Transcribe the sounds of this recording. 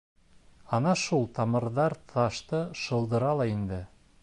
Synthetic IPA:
ɑnɑʃulˠt̪ʰɑmɤ̆ɾðɑɾt̪ʰɑʃt̪ɤʃɤ̆lˠd̪ɤ̆ɾɑlˠɑind̪ɘ

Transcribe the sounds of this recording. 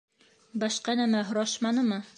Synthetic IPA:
bɒʃqɑnæmæɦŏɾɑʃmɑnɤmɤ

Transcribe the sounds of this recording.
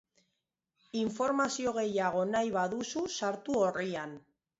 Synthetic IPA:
iɱfo̞ɾmasio̞ɣ̞e̞jaɣ̞o̞najβaðususaɾt̪uo̞rian

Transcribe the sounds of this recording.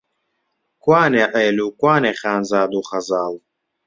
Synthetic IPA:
kwaːneːʔɐjluːkwaːneːxaːnzaːd̪uːχɐzaːl

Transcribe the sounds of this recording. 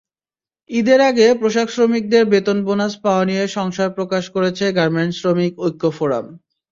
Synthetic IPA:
id̪eɾaɡepɾoʃaksɾomik̚d̪eɾbet̪onbonaspaoanieʃɔŋʃaɾpɾokaʃkoɾet͡ɕʰeɡaɾmensɾomikojkʰːofoɾa̰m

